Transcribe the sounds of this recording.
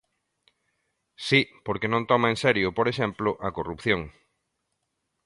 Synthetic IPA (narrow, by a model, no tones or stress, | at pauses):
sipoɾkenõnt̪ɔmaẽnsɛɾjʊpoɾeʃɛmplʊʔɐkorupθjoŋ